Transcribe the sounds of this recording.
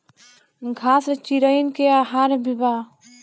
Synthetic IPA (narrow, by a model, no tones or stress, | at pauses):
ɡʱast͡ʃiɾəjnkeaɦaɾbiba